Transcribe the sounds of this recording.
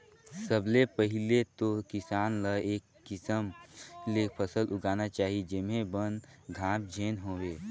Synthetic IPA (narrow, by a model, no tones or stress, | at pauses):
səblepəɦɪlet̪okɪsaːnləeːkːɪsəmleːk̚pʰəsəlʔʊɡaːnat͡ʃaːɦid͡ʒɪmẽbənɡʱãːp̚d͡ʒʱeːnɦoːweː